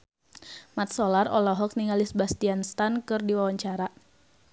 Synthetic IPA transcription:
mat̪̚sɔlarɔlɔɦɔk̚niŋalisbast̪ianst̪ankɨrdiwawaɲt͡ʃaɾa

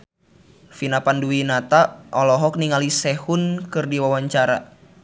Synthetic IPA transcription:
finapanduwinat̪aʔɔlɔɦɔk̚niŋalisɛhunkɨrdiwawaɲt͡ʃaɾa̰

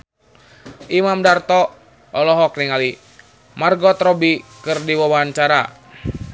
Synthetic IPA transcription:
ʔimamdart̪ɔ | ʔːlɔɦɔkniŋali | marɡɔt̪ɾɔbikɨrdiwawaɦant͡ʃaɾa

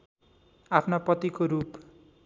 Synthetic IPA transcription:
apʰnapʌt̪ikoɾup

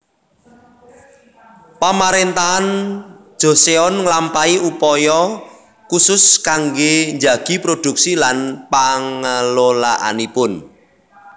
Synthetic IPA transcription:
pamaɾent̪aɦan̥ | ʒ̥o̤seɔnlampaiʔupɔjɔ | kusʊskaŋɡeɲd͡ʒaɡ̥i̤pɾod̥ṳksilanpaŋəlolaʔa̰nipʊn

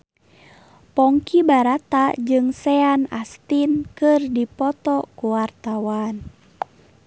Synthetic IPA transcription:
pɔŋkibaɾat̪ad͡ʒɨŋsɛana̰st̪inkɨrdipɔt̪ɔkuwart̪awan

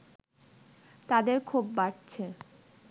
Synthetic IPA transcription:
t̪ad̪eɾkʰubːaʈt͡ɕʰe

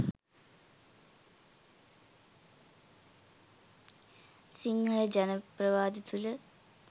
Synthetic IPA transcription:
siŋhɐlɐd͡ʑɐnɐprɐʋaːd̪it̪ulə

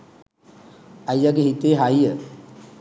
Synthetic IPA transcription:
ajaɡeɦit̪eɦajjə

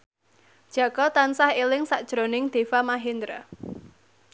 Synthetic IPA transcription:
d̥ʒ̥a̤kɔt̪ansahelɪŋsaʔd̥ʒ̥ɾonɪŋd̪̥e̤famaɦind̪ɾa

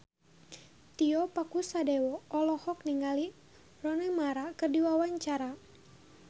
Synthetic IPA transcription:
t̪iɔpakusadɛwɔːlɔhɔk̚niŋali | rɔnəmaɾakɨrdiwawaɲt͡ʃaɾa

